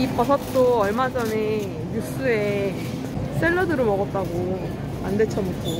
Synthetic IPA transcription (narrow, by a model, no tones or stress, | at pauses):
ipʌsʰʌt͈oʌɭmad͡ʑʌne | jus͈ɯe̞ | s͈eɭːʌdɯɾɯmʌɡʌp̚t͈aɡo | ande̞t͡ɕʰʌmutʰo